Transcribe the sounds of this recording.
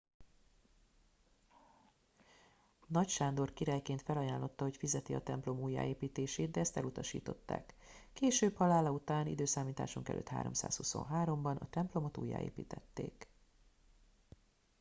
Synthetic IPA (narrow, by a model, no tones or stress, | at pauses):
nɒcʃaːnd̪o̞rkiɾaːjkeːnt̪fɛlɒjaːnlo̞t̪ːɒɦo̞cfizɛt̪iɒt̪ɛmplo̞muːjːa̰ːeːpiːt̪eːʃeːd̪̚d̪ɛɛst̪ɛlut̪ɒʃḭːt̪o̞t̪ːa̰ːkː | eːʃøːbhɒlaːlɒut̪aːnḭd̪øːsaːmiːt̪a̰ːʃuŋkɛ̰lø̰ːt̪ha̰ːɾo̞̰msa̰ːshuso̰nɦaːɾo̞mbɒnɒt̪ɛmplo̞mo̞t̪ṵːjːa̰ːḛːpḭːt̪ɛt̪ːḛːk